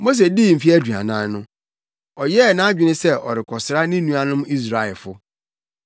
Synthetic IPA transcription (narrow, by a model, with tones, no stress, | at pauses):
mo˦s̬e˨di˦˨m̩˨fi˦æ˦dᶣu˨a̰˨nãː˨˦n˦nʊ̃˦ | ɔ˨jɛ˦˨nã˦a˦d͡ʑᶣɪ˦nɪ̃˦sɛ˦˨ɔ̰˨ɾɪ˨kʰɔ˨sɾa˦nɪ̃˦nũ˦a˨nʊ̃˦mi˦s̬ɾa˨ɛ˨lfʊ˦